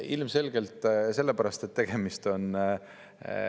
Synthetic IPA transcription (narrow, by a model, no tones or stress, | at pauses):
ilmse̞lɡ̥e̞lt̪ˑse̞lːepæɾɑst̪et̪ːe̞ɡ̥e̞mist̪o̞n